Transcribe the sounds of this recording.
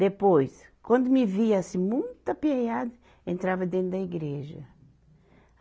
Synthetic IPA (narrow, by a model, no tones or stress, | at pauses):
d̪epojskwɐ̃nd̪ʊmiviasĩmũj̃t̪ɐpiejad̪ɐ | ẽnt̪ɾavɐd̪ẽnd̪ɐiɡɾeʒɐ̰